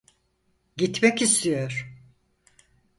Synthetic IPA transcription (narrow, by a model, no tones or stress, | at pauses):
ɟit̪mɛcist̪ʰijoɾ̥